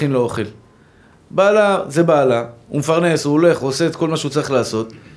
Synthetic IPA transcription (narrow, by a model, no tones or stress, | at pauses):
inleoχel | baːlaze̞baːlaṵmefaʁnesuole̞χuose̞et̪ko̞lmaʃeut͡saʁiχlaːso̞t̪